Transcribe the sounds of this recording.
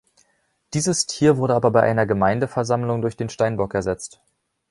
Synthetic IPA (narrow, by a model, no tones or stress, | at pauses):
d̥iːzəstʰiːɐvʊɐɾəʔaːbɐbaɪʔa̰ɪnɐɡəmaɪndəfɛɐzamlʊŋdʊɐçd̥eːnʃtaɪnbɔkɛɐzɛt͡st